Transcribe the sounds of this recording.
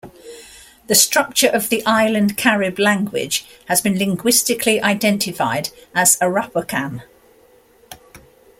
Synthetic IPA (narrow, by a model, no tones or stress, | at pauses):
ðəstɹ̥ʌk̚t͡ʃəɹʔəvðiʔaɪlə̃nkʰaɹɪblãŋɡwɪ̰d̥ʒ̥həzbĩnlɪ̃ŋɡwɪstɪkʰliʔaɪdɛ̃ntɪfa̰ɪdəz̥əɹʌpəkʰãn